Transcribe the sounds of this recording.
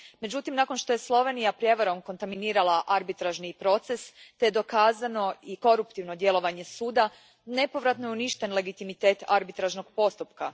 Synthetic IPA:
me̞d͡ʑut̪imnako̞nʃt̪o̞je̞slˠo̞ʋe̞nijapɾje̞ʋaɾo̞mko̞nt̪aminiːɾalaʔaɾbit̪ɾaʒnipɾo̞t̪se̞st̪ed̪o̞kaːzano̞iko̞ɾupt̪iʋno̞d̪je̞lˠo̞ʋaɲe̞suːd̪a | ne̞po̞ʋɾat̪nojeuniʃt̪e̞nle̞ɡit̪imit̪e̞ːt̪aɾbit̪ɾaʒno̞ɡ̥po̞st̪upka

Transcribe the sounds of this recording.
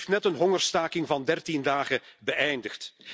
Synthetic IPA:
ftnɛtənɦɔŋərstaːkɪŋvɑndɛrtindaːɣəbəʔɛjndəxt

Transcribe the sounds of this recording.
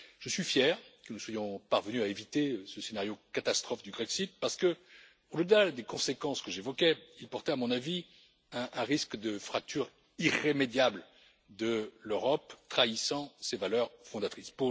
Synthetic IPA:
ʒ̥əsɥifjɛʁkənuswajɔ̃paʁvənyaevit̪esəsenaʁjokat̪ast̪χɔfd̪ybʁɛksit̪̚paʁsə̥kə | od̪əlad̪ekɔ̃sekɑ̃skəʒevɔkʲɛilpɔʁt̪ɛamɔ̃navi | ɛ̃ɛ̃ʁiskd̪əfχak̚t̪ʰyʁ | iʁːemed̪jabl | d̪əløʁɔpt̪χaisɑ̃sevalœʁfɔ̃d̪at̪χispu

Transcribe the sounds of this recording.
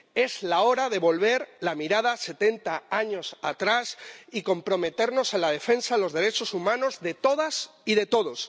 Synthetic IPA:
e̞zlao̞ɾaðe̞βo̞lβe̞ɾlamiɾaðase̞t̪e̞nt̪aaɲo̞sat̪ɾasiko̞mpɾo̞me̞t̪e̞ɾno̞senlað̞e̞fe̞nsaelo̞zðe̞ɾet͡ʃo̞sumãno̞zðe̞t̪o̞ð̞asiðe̞t̪o̞ðo̞s

